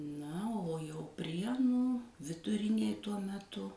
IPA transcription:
ˈnɐ oː jɛʊ ˈpʲrʲiɛnuː ʋʲɪdʊˈrʲɪnʲeːj ˈtuɔ mʲɛˈtʊ

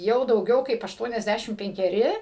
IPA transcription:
ˈjɛʊ dɐʊˈɡʲɛʊ kɐɪp ɐʃˈtuɔnʲɛzʲˌdʲæʃʲɪm pʲɛŋʲkʲɛˈrʲɪ

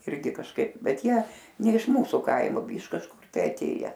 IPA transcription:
ˈɪrʲɡʲɪ kɐʃˈkɐɪp ˈbʲɛt ˈjiɛ ˈnʲɛ ɪʃ ˈmuːsʊ ˈkɐɪmʊ ɪʃ kɐʃˈkʊr tɐɪ ɐˈtʲeːjɛ

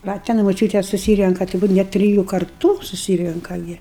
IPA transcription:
ˈʋɐ tʲɛn moːˈt͡ʃʲuːtʲeːs sʊˈsʲiːrʲɛŋkɐ tɐɪ ˈbuːt ˈnʲɛt tʲrʲɪˈjuː kɐrˈtuː sʊˈsʲiːrʲɛŋkɐ ˈɡʲɪ

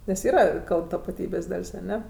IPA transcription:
nʲɛs ˈiːrɐ ˈkɐlˠp tɐpɐˈtʲiːbʲeːsʲ ˈdɐlʲsʲ ɐˈnʲɛ

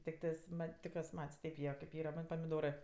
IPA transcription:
tʲɪkˈtɜs ˈmɐtʲ tʲɪk juɔs ˈmɐtʲsʲ ˈtʲɛɪp jiɛ kɐɪp ˈiːrɐ ˈmɐnʲ pɐmʲɪˈdoːrɜ

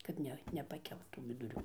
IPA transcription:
kɐt ˈnʲɛ nʲɛpɐˈkʲɛlˠt tuː ʋʲɪdʊˈrʲuː

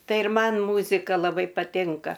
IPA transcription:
ˈtɐɪ ɪr ˈmɐn ˈmuːzʲɪkɐ lˠɐˈbɐɪ pɐˈtʲɪŋkɐ

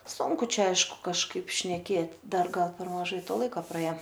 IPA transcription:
ˈsʊŋkʊ ˈt͡ʃʲɛ ˈɐɪʃkʊ kɐʃˈkɐɪp ʃʲnʲɛˈkʲeːt ˈdɐr ˈɡɐlˠ pʲɛr mɐˈʒɐɪ ˈtoː ˈlˠɐɪkɐ prɐˈeːoː

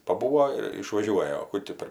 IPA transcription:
pɐˈbuːoː ɪr ɪʃʋɐˈʒʲuɔjɛ oː ˈkʊ tʲiː pʲɛr

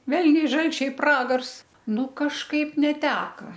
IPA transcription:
ˈʋʲɛlʲnʲɛɪ ˈʒɐlʲt͡ʃʲɛɪ ˈprɑːɡɐrs ˈnʊ kɐʃˈkɐɪp nʲɛˈtʲæːkɐ

